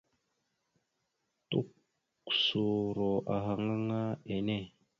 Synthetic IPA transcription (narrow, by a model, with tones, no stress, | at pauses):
tu˦k | u̥˨so˨ɾo˨ʔa˨ɦa˨ŋa˦ŋa˦e˨ne˦˨